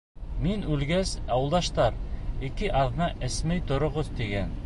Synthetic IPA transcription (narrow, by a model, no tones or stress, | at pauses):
minʉlɡæzɑwɤlˠd̪ɑʃt̪ɑɾikɘʔɑðnɑʔɘ̆smɘjt̪ŏɾŏʁoðt̪iɡæn